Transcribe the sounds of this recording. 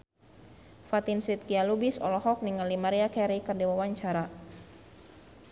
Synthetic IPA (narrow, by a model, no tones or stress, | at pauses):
fat̪insit̪̚kialubisɔlɔɦɔk̚niŋalimaɾiakɛɾikərdiwawaɲt͡ʃaɾa